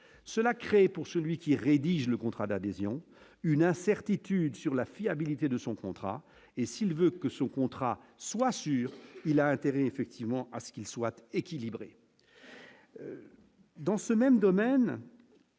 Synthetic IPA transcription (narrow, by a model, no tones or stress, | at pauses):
səlakχepuʁsəlɥikʲiʁed̪iʒləkɔ̃t̪χad̪ad̪ezjɔ̃ | ynɛ̃sɛʁt̪it̪yd̪syʁlafiabilit̪ed̪əsɔ̃kɔ̃t̪χa̰ | esilvøkəsɔ̃kɔ̃t̪χaswasyːʁilaɛ̃t̪eʁɛːfɛk̚t̪ʰivmɑ̃ʔasə̥kilswat̪ekʲilibʁḛ | d̪ɑ̃səmɛmd̪ɔmɛn